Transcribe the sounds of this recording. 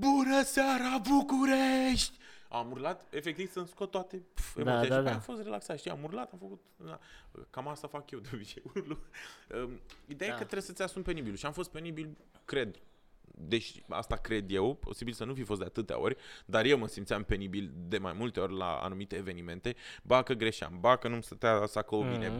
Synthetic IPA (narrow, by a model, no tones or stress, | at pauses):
bunəsaɾabukuɾeʃt̪ʲamurlat̪e̞fek̚t̪iv̥sɨnskot̪ːoat̪e̞e̞motsijaʃaaamfo̞st̪re̞laksat̪ʃt̪ia̰murlat̪amfəkut̪a̰kamast̪afakjewd̪eobit͡ʃeuluəid̪e̞jajekət̪ɾeesət̪sʲasumpe̞nibilʃiamfo̞st̪̚pe̞nibil | kɾe̞d̪ | d̪e̞t͡ʃa̰st̪akɾe̞d̪je̞wpʰo̞̰sibilsənufifo̞st̪d̪e̞a̰t̪ɨt̪ea̰o̞̰rʲd̪arjewməsimt̪sʲampe̞nibild̪e̞majmult̪e̞o̞rʲla̰a̰numit̪e̞ːvenimẽ̞nt̪e̞bakəɡɾe̞ʃa̰mbakənumst̪ət̪easakoomine